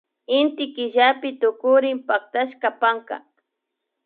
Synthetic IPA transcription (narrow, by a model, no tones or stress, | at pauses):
ɪnt̪ɪkɪʒapɪt̪ʊkʊɾɪmpak̚t̪aʃkapaŋka̰